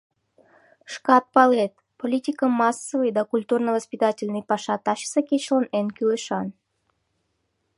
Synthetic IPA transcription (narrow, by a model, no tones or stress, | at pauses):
ʃkɑt̪̚pɑlet̪̚ | polʲitʲikəmɑsːəvəjd̪akulʲt̪urnəvəspʲit̪atʲɪlʲnɨjpɑʃɑt̪ːɑɕi̥səkʲet͡ɕlˠənenkʲyleʃɑn